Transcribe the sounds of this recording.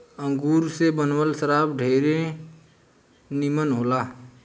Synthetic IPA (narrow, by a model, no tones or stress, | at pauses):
ə̃ŋɡuːɾsebənwəlsəɾaːbɖʱeːɾe | nimənɦoːlaː